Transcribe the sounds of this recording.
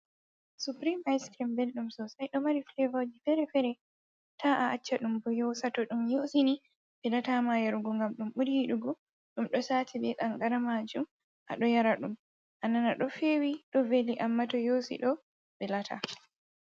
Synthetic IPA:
supɾimajskɾimbelɗumsɔsajɗɔmaɾiflevad͡ʒifɛɾɛfɛɾɛ | tʰaʔaʔat͡ʃːaɗumbɔjosatɔɗumjosini | bɛlatamajɛɾuɡɔŋɡamɗumɓuɾiiɗuɡɔ | ɗumɗɔsaːtʰibɛɗaŋɡaɾamad͡ʒum | ʔa̰ɗɔjaɾaɗum | ʔananaɗɔfeːwiɗɔveliʔamːatɔjosḭɗɔ | bɛlatʰa̰

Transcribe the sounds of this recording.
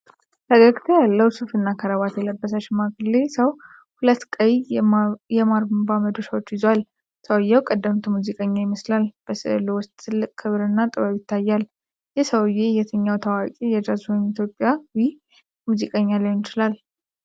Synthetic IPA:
t̪əɡəɡt̪ʰojalːəwsufɨnːakʰəɾəβat̪jɛləbːəsat͡ʃːmaɡɨlːesəw | hulət̪ːkʼəj | jɛmaɾbaməd̪o̞səwot͡ʃːjɪzwal | səwjːɛwkʼəd̪ːəmt̪ʰmuzikʼəɲːajɪməslalb̥əsɨ̰lɨwʊst̪ʼʰːɨlːɨkʼkʰɨβɾɨnːat̪ʼɨβaβjɪt̪ʰːajːal | jɛsəwjejɛt̪ʰəɲːawt̪ʰəwakʼijɛd̪ɾazuwɔmit̪ʰjo̞pʼːjawi | muzikʼəɲːalajɪnt͡ʃɪlal

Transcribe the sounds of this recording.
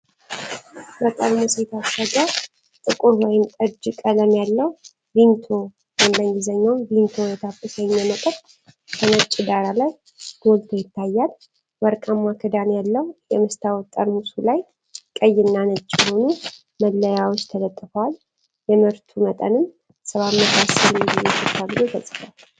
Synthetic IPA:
bət̪ʼəɾmuset̪ʰasəɡə | t̪ʼɨkʼuɾwɔjɪmt̪ʼɨɾd͡ʒkʼələmjalːəw | vint̪ʰo | wambəŋɡizəɲːawlint̪ʰo̞jɛt̪ʰafːɨsəɲːjɛmət̪ʼəɾ | kʰənət͡ʃʼːɪd̪aɾalaj | ɡ̪̥olt̪ʰojɪt̪ːajːal | bəɾkʼəmakʰɨd̪anjalːəwujɛmɨst̪ʰawɔt̪ʼənmusulaj | kʼəjːɪnːanət͡ʃʼːɦo̞nu | məlːəjawot͡ʃːt̪ʰələt̪ʼːɨfəwal | jɛmɨɾt̪ʰumət̪ʼə̰nɨm | sɨβamːət̪ʰasəllːɛsʰɨt̪ʰːabɨzot̪ʰəsʼɨfal

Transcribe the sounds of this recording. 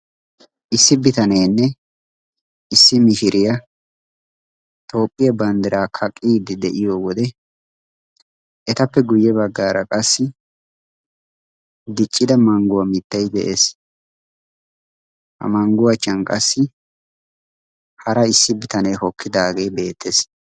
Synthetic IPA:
ʔɪsːɪbɪt̪ɐneːnːɛ | ɪsːɪmɪʃɪɾʔɪjɐ | t̪ʰʼo̞ːpʼːɪjɐbɐnd̪ɪɾaːkʰɐkʼːiːd̪ɪd̪ɛʔɪjoːwɔd̪ɛ | ʔɛt̪ɐpːɛɡʊjːɛbɐɡːaːɾɐkʼɐsːɪ | d̪ɪt͡ʃʼːɪd̪ɐmɐŋɡʊwɐmɪt̪ːɐjd̪ɛʔeːs | hɐ̰mɐŋɡʊwɐt͡ʃːɐnkʼɐsːɪ | hɐɾɐɪsːɪbɪt̪ɐneːhɔkːɪd̪aːɡe̞ːbe̞ːt̪ʰːeːs

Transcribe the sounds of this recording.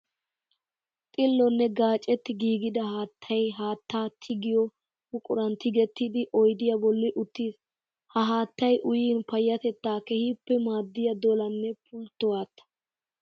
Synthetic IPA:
t̪ʼɪlːɔnːɛɡaːt͡ʃʼːɛt̪ːɪɡiːɡɪd̪ɐhaːt̪ʰːɐjɦaːt̪ːaːt̪ʰɪɡɪjɔ | hʊkʼʊɾɐnt̪ɪɡɛt̪ːɪd̪ɪʔɔjd̪ɪjɐbɔlːɪʔʊt̪ːiːs | hɐɦaːt̪ːɐjʔʊjiːnpɐjːɐt̪ɛt̪ːaːkɛhipːɛmaːd̪ːɪjɐd̪ɔlɐnːɛpʊlt̪ːɔwaːt̪ːɐ̥

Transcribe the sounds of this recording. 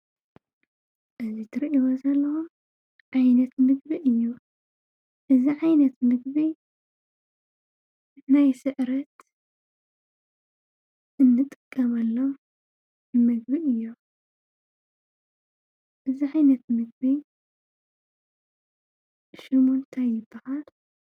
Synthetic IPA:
ʔɨzit̪ʰɨɾʔiwɐzɐlːɐxu | ʕajnɐt̪mɨɡbiʔɨjːu | ʔɨziʕajnɐt̪mɨɡbi | najsɨʔɾɐt̪ | ʔɨnːɨt̪ʼɨkʼːɐmalːo | bɨmɨɡbiʔɨjːu | ʔɨziʕajnɐt̪mɨɡ̚bi | ʃɨmont̪ʰajɪbaħal

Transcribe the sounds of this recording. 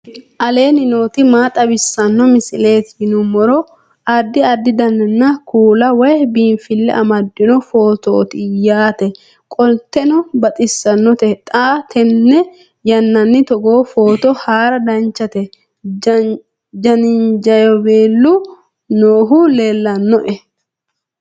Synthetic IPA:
ʔɐle̞ːnɪno̞ːt̪ɪmaːt̪ʼɐbɪsːɐnːɔmɪsɪleːt̪nʊmɔɾɔ | ɐd̪ːɪɐd̪ːɪd̪ɐnːɛnːɐkuːlɐwɐjbiːnfɪlːɛ̰ʔɐmɐd̪ːɪnɔfo̞ːt̪oːt̪ɪjaːt̪ɛ | kʼɔlt̪ːɛnɔbɐt̪ʼɪsːɐnːɔt̪ɛt̪ʼaːt̪ʰɛnːɛ | jɐnːɐnːɪt̪ɔɡo̞ːfo̞ːt̪ɔhaːɾɐd̪ɐnt͡ʃɐt̪ɛ | d͡ʒɐnɪnd͡ʒɐjɔbeːlːu | noːɦʊleːlːɐnːɔʔɛ

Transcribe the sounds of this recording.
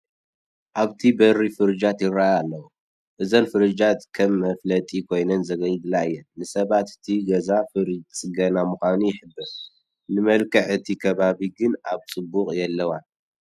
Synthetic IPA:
ʔaβt̪ʰibɐɾifɨɾɨd͡ʒat̪jɪɾajalːɐwu | ʔɨzonfɨɾɨd͡ʒat̪kʰɐmːɐflɐt̪ʼikʰo̞jnɐnzɐɡɐjd̪lajːɛnɨsɐβat̪ɨ̥t̪ʰiɡɐzafɨɾɨd͡ʒt͡sʼɨɡɐnamuxʷanujɪħɨbːɨɾ | nɨmɐlkʰɐʕɨt̪ʰikʰɐβaβiɡɨnaβt͡sʼɨbːukʼjɛlːɐwan

